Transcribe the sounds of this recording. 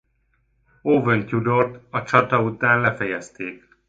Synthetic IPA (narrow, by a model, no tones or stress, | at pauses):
oːvøncud̪o̞rt̪ɒt͡ʃɒt̪ɒut̪aːnlɛfɛjɛst̪eːk